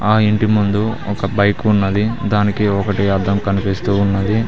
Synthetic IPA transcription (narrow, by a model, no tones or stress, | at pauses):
aːiɳʈimund̪uɔkɐbɐjkunːɐd̪id̪aːnikiɔkɐʈiɐd̪ɐmkɐnupiːst̪uːunːɐd̪i